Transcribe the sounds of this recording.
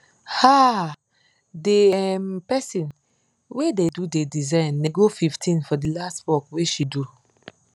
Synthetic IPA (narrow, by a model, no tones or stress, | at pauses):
ha | deɛmpɛsĩn | wededudedizãɪnːeɡofiftʰĩnfɔdilastwɔkweʃidu